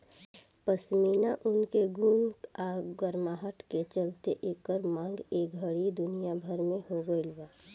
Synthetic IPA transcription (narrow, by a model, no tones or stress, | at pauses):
pəsmiːnaʔʊnkeɡunaɡəɾmaːɦəʈket͡ʃəlt̪eʔeːkːəɾmãːŋɡeːkɡʱəɽid̪ʊnijabʱəɾmẽhoɡəilwa